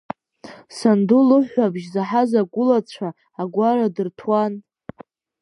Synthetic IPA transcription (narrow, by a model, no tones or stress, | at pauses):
sandulɨħʷabʒzaħazaɡʷʊlat͡ɕʷʰaː | ɡʷaɾadɨrtʰwan